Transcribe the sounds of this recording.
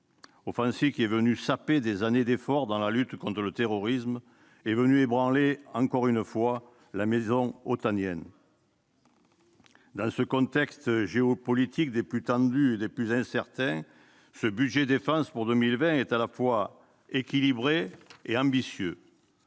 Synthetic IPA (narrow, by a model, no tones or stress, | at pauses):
ofɑ̃sivkʲiɛvənysaped̪ezaned̪efɔʁd̪ɑ̃lalyt̪kɔ̃nt̪ʁələt̪eʁɔʁism | ɛvənyebʁɑ̃leɑ̃ŋkɔʁynəfwa | lamezɔ̃ɔt̪anjɛn | d̪ɑ̃səkɔ̃t̪ɛkst̪ʒeɔpɔlit̪ʰikd̪eplyt̪ɑ̃d̪yed̪eplyzɛ̃sɛʁt̪ɛ̃ | səbyd̪ʒed̪efɑ̃spuʁd̪əmilvɛ̃ɛt̪alafwa | ekʲilibʁeeɑ̃bisjø